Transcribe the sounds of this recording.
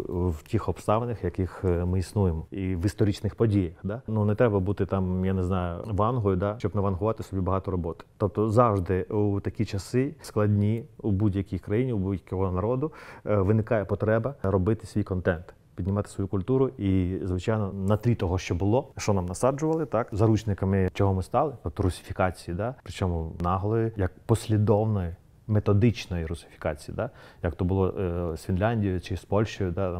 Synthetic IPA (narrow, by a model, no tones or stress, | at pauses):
wtʲixɔpst̪ɑʋɪnɪxjɐkɪxmɪisnujemɔiʋist̪ɔɾʲit͡ʃnɪxpɔdʲijɐxd̪ɑnunɛt̪ɾɛbɐbut̪ɪt̪ɑmjaneznɑjʊ̰ʋɑnɦɔjʊd̪ɑt͡ʃɔbnɐʋɐnɦʊʋɑt̪ɪsɔbʲibɐɦɑt̪ɔɾɔbɔt̪ɪ̥t̪ɔp̚t̪ɔzɑwʒd̪ɪut̪ɐkʲit͡ʃɐsɪsklˠɐdʲnʲiubudʲjɐkʲijkɾɐjinʲiubudʲjɐkʲɔɦɔnɐɾɔd̪ʊʋɪnɪkɑjɛpɔt̪ɾɛbɐɾɔbɪt̪ɪ̥sʲʋijkɔnt̪ɛnt̪ | pʲidʲnʲɪmɑt̪ɪ̥sʋɔjukʊlʲt̪uɾʊizʋɪt͡ʃɑjnɔnɐt̪ɾʲit̪ɔɦɔʃt͡ʃɔbʊlˠɔʃt͡ʃɔnɑmnɐsɑd͡ʒʊʋɐlˠɪt̪ɑkzɐɾut͡ʃnɪkɐmɪt͡ʃɔɦɔmɪst̪ɑlˠɪt̪ɔp̚t̪ɔɾʊsʲɪ̥fʲikɑt͡sʲijid̪ɑpɾɪt͡ʃɔmʊnɑɦlˠɔjɪjɐk̚pɔsʲlʲid̪ɔwnɔji | met̪ɔd̪ɪt͡ʃnɔjiɾʊsɪ̥fʲi̥kɑt͡sʲijḭd̪ajɐkt̪ɔbʊlˠɔsfʲinlʲanʲdʲijʊt͡ʃɪspɔlʲʃt͡ʃɔjʊd̪a